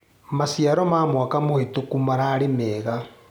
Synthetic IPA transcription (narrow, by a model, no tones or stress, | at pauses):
masjaɾɔmaːmwakamohetokumaɾaɾemeːɣa